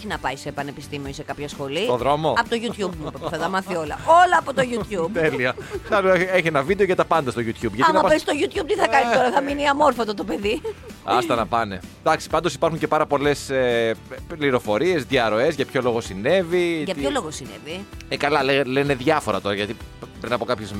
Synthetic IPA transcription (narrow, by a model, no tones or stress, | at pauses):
oçinɐpɐisepɐnepist̪imionise̞kɐpçɐsxo̞lioðɾo̞moɐpot̪oʝut̪çubmuppθɐt̪ɐmɐθio̞lɐo̞lɐːpot̪oʝut̪çubt̪eliɐsɐlueçienɐvid̪eoʝɐt̪ɐpɐnd̪ɐst̪oʝut̪çubʝɐtɐmnmɐpɐpest̪oʝut̪çub̚t̪iθɐkɐniit̪o̞ɾɐθɐminiɐmo̞ɾfot̪ot̪o̞pe̞ðiɐst̪ɐnɐpɐne̞d̪̥ɐksi̥pɐnd̪osi̥pɐɾxuɲcepɐɾɐpo̞le̞se | liɾo̞fo̞ɾie̞zðɐɾo̞e̞zʝɐpço̞lo̞ɣo̞sine̞vitʝɐp̪olo̞ɣosinḛviekɐlɐlelene̞ðʝɐfoɾɐ̰t̪o̞ɾɐʝɐt̪ipɾinɐpo̞kɐpçez